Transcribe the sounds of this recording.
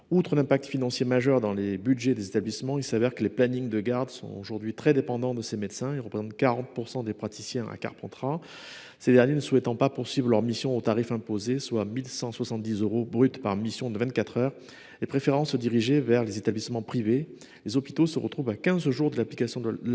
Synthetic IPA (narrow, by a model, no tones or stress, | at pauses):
ut̪χəlɛ̃pak̚t̪finɑ̃sjemaʒœʁd̪ɑ̃lebyd̪ʒed̪ezet̪ablismɑ̃ilsavɛʁkəleplaniŋd̪əɡaʁd̪sɔ̰̃o̰ʒuʁd̪ɥit̪χɛd̪epɑ̃d̪ɑ̃d̪əsemɛd̪sɛ̃ilʁəpχezɑ̃t̪kaʁɑ̃t̪̚puʁsɑ̃d̪epχat̪isjɛ̃a̰ka̰ʁpɑ̃t̪χa | sed̪ɛʁnjenəsuwɛt̪ɑ̃papuʁsɥivʁəlœʁmisjɔ̃ot̪aʁifɛ̃pozeswamilsɑ̃swasɑ̃t̪̚d̪izøʁobʁyt̪pa̰ʁmisjɔ̃d̪əvɛ̃nt̪̚kat̪χœʁ | lepχefeʁɑ̃səd̪iʁiʒevɛʁlezet̪ablismɑ̃pχive | lezɔpi̥t̪osəʁə̰t̪χuvakʲɛ̃zʒuʁd̪əlaplikasjɔ̃d̪ə